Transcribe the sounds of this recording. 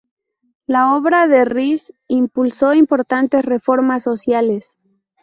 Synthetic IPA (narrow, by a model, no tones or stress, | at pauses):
lao̞βɾaðerisimpulso̞impo̞ɾt̪ant̪e̞srefo̞ɾmasːo̞sjales